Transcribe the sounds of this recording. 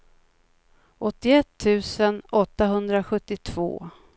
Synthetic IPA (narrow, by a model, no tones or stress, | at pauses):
ʔɔt̪ːɪɛt̪ʰːʉ̟ːsənʔɔt̪ːaɦɵnd̪ɾaɧɵt̪ːɪt̪ʰv̥o̰ː